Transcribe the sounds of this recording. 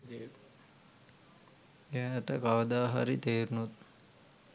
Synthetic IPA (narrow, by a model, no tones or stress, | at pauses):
eʈəkaʋəd̪aːɦa̰ɾit̪eːɾunut̪̚